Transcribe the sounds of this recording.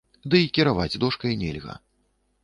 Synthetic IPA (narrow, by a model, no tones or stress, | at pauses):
d̪ɨikʲiɾavad͡zʲd̪ɔʂkɐjnʲɛlʲɣɐ̰